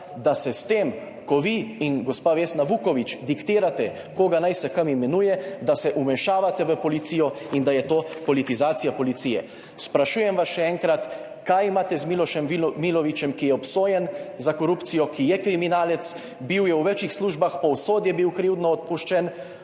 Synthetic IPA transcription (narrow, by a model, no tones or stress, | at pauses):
d̪asɛst̪em | kɔʋiinɡɔspaːʋesnaʋukɔʋit͡ʃd̪ikt̪iːɾat̪ɛ | koːɡanajsɛkamimɛnujɛd̪asɛʔumɛʃaːʋat̪ɛʋəpɔlit̪sijɔind̪ajɛt̪oːpɔlit̪izaːt̪sijapɔlit̪sijɛ̰ | spɾaʃuːjɛmʋasʃɛɛːŋkɾat̪ | kajimaːt̪ɛzmilɔʃɛmʋimilɔʋit͡ʃɛmkijɛɔpsoːjɛnzakɔɾupt̪sijɔkijɛkɾiminaːlɛt̪s | biwjɛwʋɛt͡ʃixsluːʒbaxpɔwsoːd̪jɛbiwkɾiwd̪nɔɔt̪̚puʃt͡ʃɛn